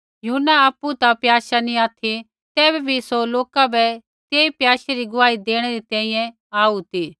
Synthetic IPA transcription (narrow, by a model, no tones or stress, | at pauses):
jʊʊnːaaːpːut̪apjaːʃanĩaːt̪ʰi | t̪ɛːbɛbʱisoloːkabɛ | t̪eːipjaːʃeɾiɡʊʋaːid̪eːɽ̃ɛɾit̪ɛ̃ːĩjɛ̃ | aːut̪iː